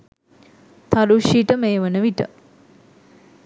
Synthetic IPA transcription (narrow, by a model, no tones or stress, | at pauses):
t̪ʰaluʃiʈəmeːʋənəʋiʈə̰